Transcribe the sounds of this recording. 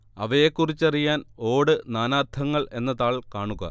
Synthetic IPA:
ɐʋɐjekːurit͡ɕːɐrijaːno̞ːɽɨnaːnaːt̪ʰːɐŋːɐɭʔe̞nːɐðaːɭkaːɳuɣɐ̰

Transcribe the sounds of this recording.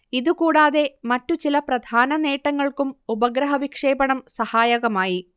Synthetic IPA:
iðukuːɽaːðe̞mɐtːut͡ɕilɐprɐd̪ʱaːnɐneːʈːɐŋːɐɭkumubɐɡɾɐɦɐʋikʂe̞ːbɐɳɐmsɐhaːjɐɣɐmaːji

